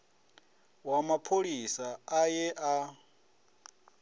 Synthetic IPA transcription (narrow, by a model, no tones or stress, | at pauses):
wamapʰoɺisaajɛʔa